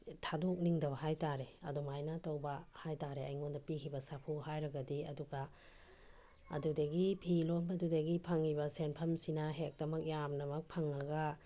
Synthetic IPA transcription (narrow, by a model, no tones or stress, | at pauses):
tʰadok̚niŋdɐβɐɦajtaɾeɐ̰dumajnatowbɐhajtaɾea̰jŋondɐpikʰibɐsapʰuɦajɾɐɡɐdiɐduɡa | dudɐɡipʰilonbɐdudɐɡipʰaŋibɐsenpʰɐmsinɐɦek̚dɐmɐk̚jamnɐmɐk̚pʰaŋaɡa